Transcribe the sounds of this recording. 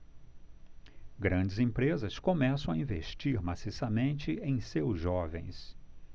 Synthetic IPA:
ɡɾɐ̃d͡ʒɪzẽmpɾezɐskomɛsɐ̃w̃aĩveʃt͡ʃiɾmasisamẽnt͡ʃɪẽj̃sewzʒɔvḛ̃j̃s

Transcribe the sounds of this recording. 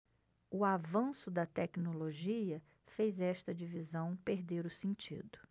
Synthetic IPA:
ʊavɐ̃sʊd̪ɐt̪ɛknoloʒiɐ | fejzɛʃt̪ɐd͡ʒivizɐ̃w̃peɾd̪eɾʊsẽnt͡ʃḭd̪ʊ

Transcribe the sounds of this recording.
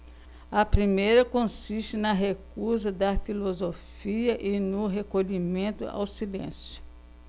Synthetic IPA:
ɐpɾimejɾɐkõsiʃt͡ʃɪnɐɦekuzɐd̪ɐfilozofiɐʔɪnʊɦekoʎimẽnt̪ʊ̰a̰wsilḛ̃sjʊ̥

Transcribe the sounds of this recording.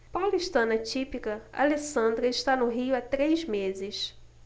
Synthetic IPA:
pawliʃt̪ɐ̃nɐt͡ʃipikɐa̰lesɐ̃nd̪ɾɐɪʃt̪anʊɦiʊat̪ɾejzmezɪs

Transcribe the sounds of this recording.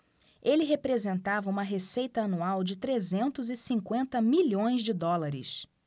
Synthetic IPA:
elɪɦepɾezẽnt̪avɐũmɐɦesejt̪ɐɐnuawd͡ʒɪt̪ɾezẽnt̪ʊzɪsĩŋkwẽnt̪ɐmiʎõj̃zd͡ʒɪd̪ɔlaɾɪ̰s

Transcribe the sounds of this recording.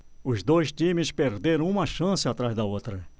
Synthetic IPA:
ʊzd̪ojʃt̪ĩmɪspeɾd̪eɾɐ̃w̃ũmɐʃɐ̃sɪat̪ɾazd̪ɐowt̪ɾɐ

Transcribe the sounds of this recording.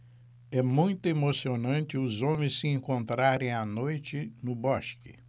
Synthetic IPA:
ɛmũj̃t̪ʊemosionɐ̃nt͡ʃɪʊzõmẽsːɪẽŋkõnt̪ɾaɾẽj̃anojt͡ʃɪnʊbɔʃkɪ̰

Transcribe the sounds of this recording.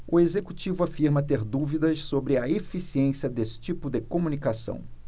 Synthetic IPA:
ʊezekut͡ʃivʊafiɾmɐt̪eɾd̪uvid̪ɐʃsobɾɪɐefisiẽsiɐd̪esɪ̥t͡ʃipʊd̪ɪkomunikasɐ̰̃w̃

